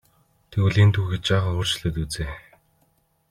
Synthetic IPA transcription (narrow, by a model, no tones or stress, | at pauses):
t̪ʰeuɮiːnt̪ʰuːxet͡ɕt͡ɕæːχə̆noːr̥t͡ɕ̆ɮɘ̆t̪ut͡seː